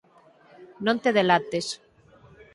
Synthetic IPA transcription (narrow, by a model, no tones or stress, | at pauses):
nõnt̪eðelat̪es